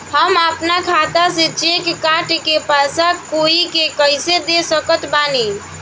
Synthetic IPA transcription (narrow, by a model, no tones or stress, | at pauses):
həməpnakʰat̪asẽt͡ʃekkaʈkepəsakoikekəjsed̪esəkət̪bani